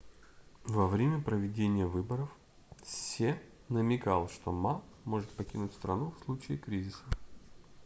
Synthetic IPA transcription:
vɐvɾʲemʲəpɾəvʲɪdʲenʲɪjəvɨbəɾəf | sʲe | nəmʲɪkalˠʂt̪omamo̞ʐɨt̪̚pɐkʲinʊtʲst̪ɾɐnufslˠut͡ɕɪːkɾʲizʲɪsə

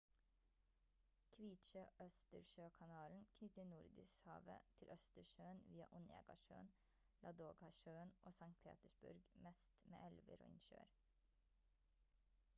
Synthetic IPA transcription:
kʰʋiːt̪ʃəʔœst̪əɾʃøːkʰɑnɑːln̩kʰnʏt̪ənʊɾd̪ɪsshɑ̰ːʋə̰t̪ʰɪlʔœst̪əɾʃøːənʋiːɑ̰ʔʊnḛːɡɑ̰ʃø̰ːn | lʔɑd̪oːɡhɑʃøːənʔoːsɑŋt̪̚pʰḛːt̪əʃbʊ̰ɾɡmɛst̪mḛːʔɛlʋə̰ɾo̰ːɪnʃø̰ːɾ

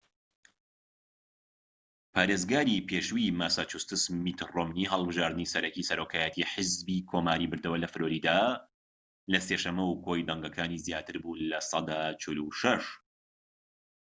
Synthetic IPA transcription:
pʰaːɾezɡaːɾipʰeʃwimaːsaːt͡ʃust̪ɨsmit̪romniɦɐlˠbɨʒaːɾd̪ɨnisɐɾɛcisɐɾokʰaːjɛt̪ʰiħəzbiːkʰoːmaːɾibɨɾd̪ɐwɐlɐfɨɾoːɾid̪aː | lɐseʃɐmːɐwkʰojd̪aŋɡɐkʰaːnizjaːt̪ʰɨɾbuːlɐsˤɑd̪aːt͡ʃʰɪluʃɐʃ

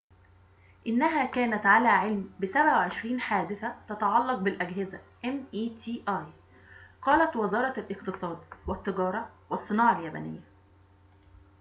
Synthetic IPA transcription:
ʔɪnːæɦæːkæːnæt̪ʕalæːʕelmbɪsæbʕawʕeʃɾiːnħaːd̪ɪθæt̪ɑt̪ɑʕɑlːɑq̚bɪlʔæɡɦɪzæʔemʔiːt̪ʰiːʔɑːj | qɑːlæt̪wɪzɑːɾˤɑlʔɪqt̪ɨsˤɑːd̪wæt̪ːɪɡɑːɾˤɑwæsˤːɨnɑːʕɑljæbæ̰nɪ̰jːæ

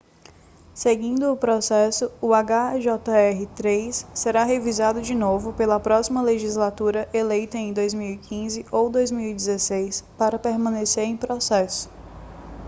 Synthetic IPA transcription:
seɡĩnd̪ʊːpɾɔsɛsʊʊaɡaʒɔt̪ɐɛɦɪt̪ɾejsːeɾaɦevizad̪ʊd͡ʒinovʊpelɐpɾɔsimɐleʒizlat̪uɾɐʔelejt̪ɐẽj̃d̪ojzmiwikʰĩzɪowd̪ojzmiwid͡ʒɪzesejspaɾɐpeɾmɐ̃neseɾẽj̃pɾosɛsʊ̥

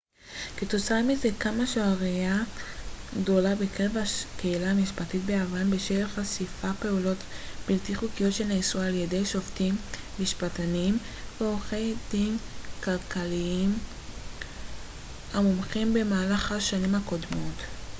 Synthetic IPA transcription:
ket̪o̞t͡saamizekamaʃoaʁija | ɡdo̞labekeʁevakeilaamiʃpatit̪̚beavanbeʃelχasifape̞ulo̞tb̥iltiχukijo̞tʃe̞lneisualjede̞jʃoftimːiʃpatanim | veo̞χe̞jdinkalkaliim | hamomχimbe̞maːlaχaʃanimhako̞dmo̞t

